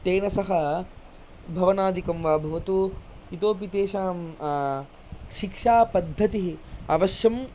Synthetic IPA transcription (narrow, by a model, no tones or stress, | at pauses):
t̪eːnɐsɐɦɐ | bʱɐʋɐnaːd̪ikɐmʋaːbʱɐʋɐt̪u | it̪oːpit̪eːʃaː | ʃikʂaːpɐd̪ʱːɐt̪iɦiɐ̰ʋɐʃjɐm